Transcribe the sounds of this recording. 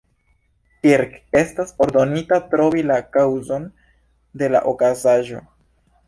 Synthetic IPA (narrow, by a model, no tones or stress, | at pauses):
kiɾke̞staso̞ɾdo̞nitatɾo̞vilakawzo̞n | de̞la̰ʔokazaʒo̞̰